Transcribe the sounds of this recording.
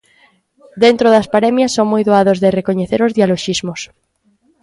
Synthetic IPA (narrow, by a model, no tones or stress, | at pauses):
d̪ent̪ɾoðɐspaɾɛmjɐsːoŋmojðoaðozðerekoɲeθeɾʊzðialoʃizmʊs